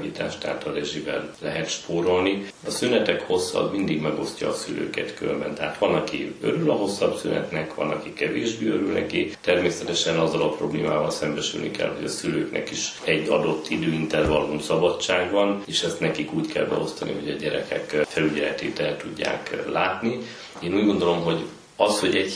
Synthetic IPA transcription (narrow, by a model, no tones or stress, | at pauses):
vit̪aːʃt̪a̰ːt̪ɒɾɛʒibɛ̰llɛɦɛt̪ʃpoːɾo̞lni | ɒsynɛt̪ɛkho̞sːɒ̰bmind̪iɡmɛɡo̞scɒ̰ːsylø̰ːkɛt̪kømbɛnt̪ɛɦaːt̪ʋɒnɒkiø̰ɾylɒɦo̞sːɒbsynɛ̰t̪nɛkʋɒ̰nɒkikɛveːʒbeːøɾylnɛ̰kit̪ɛrmeːsɛt̪ɛʃɛnɒzːɒlɒpro̞bleːmaːvɒlsɛmbɛʃy̰lnḭkɛ̰lɦo̞ɟɒsyløːknɛ̰kiʃɛɟːɒd̪o̞t̪ʰːid̪øːint̪ɛrvɒlunsɒbɒt͡ʃːaːɡbɒneːʃɛst̪nɛkikuːckʰɛlbɛo̞st̪ɒnʔḭɦo̞ɟɒɟɛɾɛkʰɛ̰kfɛlyɟɛlɛt̪eːt̪ɛlt̪uɟːa̰ːklaːt̪ni | eːnuːɟɡo̞nd̪o̞lo̞mɦo̞ɟ | ɒsho̞ɟɛɟ